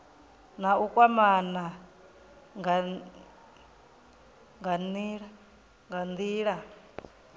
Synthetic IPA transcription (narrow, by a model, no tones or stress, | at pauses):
naukʼwamana | ŋɡa | ŋɡaniɺa | ŋɡand̪iːɺa